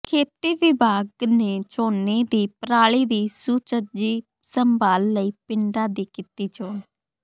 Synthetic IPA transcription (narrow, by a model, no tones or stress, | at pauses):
kʰeːt̪iːʋɪbʱaːɡneːt͡ʃoːneːd̪iːpəɾaːɭiːd̪iːsuːt͡ʃəd͡ʒiː | səmbaːlːəiːpɪɳɖaːd̪iːkɪt̪iːt͡ʃoːn